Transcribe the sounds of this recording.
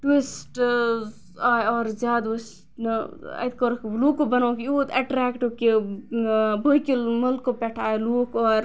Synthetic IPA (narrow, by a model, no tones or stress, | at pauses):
ʈwisʈ | aːjɔːɾzʲjaːd̪ʋus | nɐɐ̰t̪̚koɾkluːkobɐnaːkuːt̪ɐʈɾɛːkʈoke | bʱokilmɐlkopɛʈʰaːeluːkɔːɾ